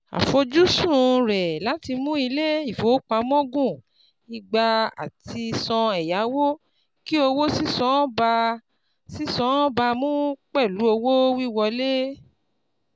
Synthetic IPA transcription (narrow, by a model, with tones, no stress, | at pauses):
a̰˨fo˧d͡ʒu˦sũ˦˨˧ɾɛ˨la˦ti˧mũ˦i˧le˦i˦˨fo˨˦k͡pã˧˦mɔ̃˦ɡũ˦˨ | i˨ɡ͡ba˧a̰˨ti˧sɔ̃˧ɛ˨ja˨˦wo˦ | ki˦o˧wo˦si˦sɔ̃˨˦ba˧ | si˦sɔ̃˦ba˧mũ˦k͡pɛ˦˨lu˨˦o˧wo˦wi˦wɔ˧le˦